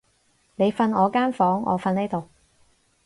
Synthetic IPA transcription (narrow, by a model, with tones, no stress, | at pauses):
ne˨˧jfɐ˧nɔː˨˧kaː˥nfɔː˨˥ŋʔɔ̰ː˨˧fɐ˧neː˥t̪o˨w